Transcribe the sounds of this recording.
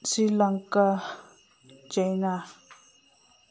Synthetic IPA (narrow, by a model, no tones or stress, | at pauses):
silaŋka | d͡ʒajnã